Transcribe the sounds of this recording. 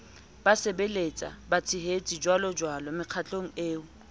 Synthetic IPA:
b̥asebelet͡sʼa̰bat͡sʰɪɦet͡sʼid͡ʒwalɔd͡ʒwalɔmɪq͡χʰat͡ɬʼoŋ̩eːʊ

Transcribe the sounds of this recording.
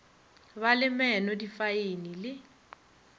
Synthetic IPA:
balɪmɛnɔdifaenilɪ

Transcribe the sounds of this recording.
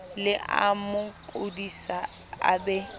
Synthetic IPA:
lɪʔa̰mʊkʼodisa | a̰bɛ

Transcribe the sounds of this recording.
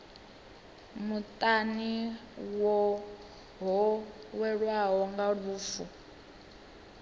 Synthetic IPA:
mutʼaniwɔ | ɦɔwɛɺwaɦɔŋɡaɺuːfu

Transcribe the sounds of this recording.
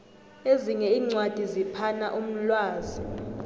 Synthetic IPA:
eziŋɛiːŋ͡ǀwad̥ʱizipʰana̰ʔum̩lwaːzi

